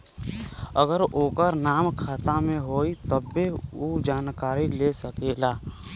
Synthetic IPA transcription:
əɡəɾoːkəɾnaːmkʰaːt̪amẽɦoːit̪əbːeud͡ʒaːnkaːɾilesəkeːlaː

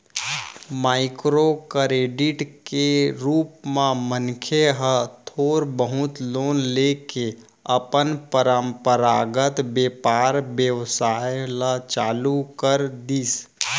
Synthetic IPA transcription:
maːɪkɾokəɾeːɖiʈkeɾuːpmãmənkʰeɦət̪ʰoːɾbəɦʊt̪loːnleke | əpənpəɾəmpəɾaːɡət̪beːpaːɾbjəwsaelat͡ʃaːlukəɾd̪iːs

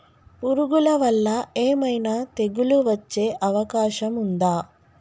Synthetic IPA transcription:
puɾuɡulɐʋɐlːɐeːmɐjnaːt̪e̞ɡuluʋɐt͡ʃːe̞ːʔɐʋɐkaːʃɐmund̪aː

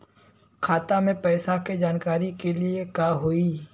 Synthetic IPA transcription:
kʰaːt̪amẽpɛːsaked͡ʒaːnkaːɾikeliekaɦoːiː

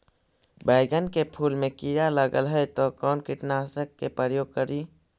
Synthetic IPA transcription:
baɪɡənkepʰuːlmẽkiɾaləɡəlɦɛjt̪okɔːnkɪʈnasəkːepɾəjoːɡ̚kəɾiː

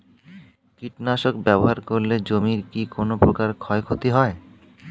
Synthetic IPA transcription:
kiʈnaʃokbɛboɦaɾkoɾled͡ʑomiɾkikonopɾokaɾkʰɔekʰot̪iɦɔe

